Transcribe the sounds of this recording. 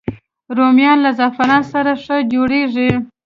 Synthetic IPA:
ɾomjɑnlazafanɑsaɾaʂəd͡ʒoɽeʐi

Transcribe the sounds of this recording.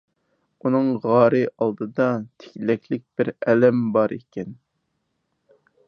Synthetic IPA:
unɨŋʁɑːɾɨʔɑlˠd̪ɨd̪ɑt̪ʰɪ̥kʲlɛkʲʰlɪk̚ʲb̥ɪɾɛlɛmbɑɾḛkʲɛn

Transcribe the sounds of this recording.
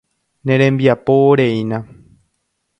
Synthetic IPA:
nẽɾẽmbiapooɾeĩnã

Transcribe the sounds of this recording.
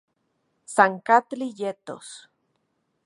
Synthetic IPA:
saŋkat̪lijet̪o̰s

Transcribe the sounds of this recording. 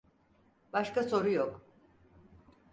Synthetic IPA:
b̥aʃkaso̞ɾujok

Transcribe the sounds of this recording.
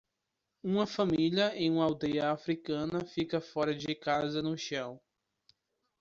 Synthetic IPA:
ũmɐfɐ̃miljɐẽj̃ũmawd̪ejɐːfɾikɐ̃nɐfikɐfɔɾɐd͡ʒɪkazɐnʊʃɐ̃w̃

